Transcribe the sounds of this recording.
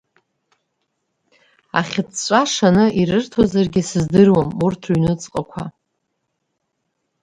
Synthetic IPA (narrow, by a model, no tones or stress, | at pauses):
a̰χʲɪt͡sʰt͡ɕʷʼaʂanɨʔiɾɨrtʰozarɡʲɪsɨzdɨrwamurtʰuɥnɨt͡sʼqʼakʷʰa̰